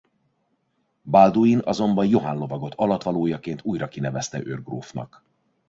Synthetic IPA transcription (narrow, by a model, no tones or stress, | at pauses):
bald̪uinɒzo̞mbɒnjo̞ɦanlo̞vɒɡo̞t̪ʰɒlɒt̪ʋɒloːjɒkeːnt̪uːjrɒkinɛvɛst̪ɛʔørɡro̰ːfnɒ̰k